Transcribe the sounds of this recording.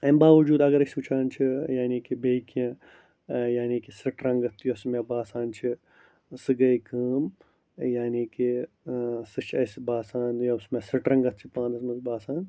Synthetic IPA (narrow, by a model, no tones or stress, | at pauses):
ɐmbaːʋɐd͡ʒuːd̪ɐɡɐɾɐsuːt͡ʃʰaːnt͡ʃʰijaːniːkibeːkijɐ̃ | jaːniːkisɐʈɾɐ̃ŋɡɐt̪ʰjuɐsmẽbaːsaːnt͡ʃʰi | sɨɡɐjkəːm | jaːniːki | sɨt͡ʃʰɐsibaːsaːnjɐsmesɐʈɾɐŋɡɐt̪̚t͡ʃʰipãːnd̪ɐsmɐsbaːsaːn